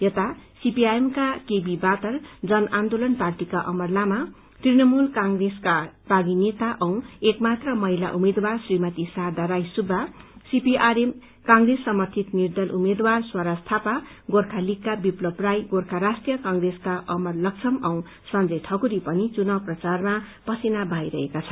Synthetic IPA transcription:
jʌt̪asipiajemkakebibat̪ʌrd͡zʌnand̪olʌnparʈikaʔʌmʌrlama | t̪rinʌmulkaŋɡreskabʱaɡinet̪aʔʌw̃ekmat̪rʌmʌɦilaʔumed̪warsrimʌt̪isard̪aɾajsubʱːasipiʔaɾem | kaŋɡresːʌmʌrt̪ʰit̪nird̪ʌlʔumed̪warswaɾast̪ʰapa | ɡorkʰalikːabiplʌbrajɡorkʰaɾasʈrijʌkʌŋɡreskaʔʌmʌrlʌk̚t͡sʰʌmʌw̃ | sʌnd͡zʌjʈʰʌkuɾipʌnit͡sunʌprʌt͡sarmapʌsinabʱajɾʌɦekat͡sʰʌ

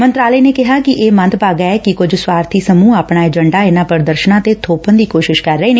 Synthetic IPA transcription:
mənt̪ɾaːləːneːkɪɦaːkɪʔeːmə̃nd̪paːɡɛːɛːkɪkʊd͡ʒswaːɾt̪ʰiːsəmũːaːpɳaːɛːd͡ʒəɳɖaːɪnãːpəɾd̪əɾʃənãːt̪eːt̪ʰoːpənd̪iːkoːʃɪʃkəɾːəiːneː

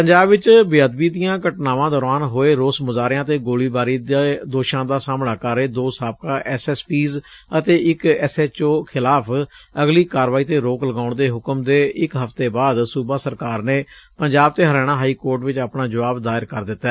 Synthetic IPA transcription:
pəɲd͡ʒaːbʋɪt͡ʃbɪjaːd̪biːd̪ɪjãːkəʈnaːʋãːd̪ɔːɾaːnɦoːeːɾoːsmʊzaːɾɪãːt̪eːɡoːliːbaːɾiːd̪oːʃãːd̪aːsaːmɽaːkəɾeːd̪oːsaːp̚kaːʔɛsɛːspiːzət̪eːɪkɛsɛːt͡ʃoːkʰɪlaːpʰəɡliːkaːɾʋaːiːt̪eːɾoːkləɡaːʊɳd̪eːɦʊkəmd̪eːɪkɦəfʰt̪eːbaːd̪suːbaːsəɾkaːɾneːpəɲd͡ʒaːb̚t̪eːɦəɾɛːɽ̃aːɦaːiːkoːɾʈʋɪt͡ʃaːpnaːd͡ʒəʋaːbd̪aːɪɾkəɾd̪ɪt̪ːaː

